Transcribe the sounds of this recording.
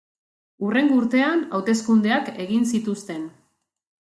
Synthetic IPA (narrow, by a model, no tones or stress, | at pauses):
ure̞ŋɡuɾt̪e̞anawt̪e̞skund̪e̞ake̞ɣinsit̪ust̪e̞n